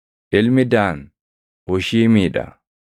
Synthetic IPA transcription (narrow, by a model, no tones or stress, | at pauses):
ʔɪlmɪd̪aːn | wɔʃiːmiːᶑɐ̰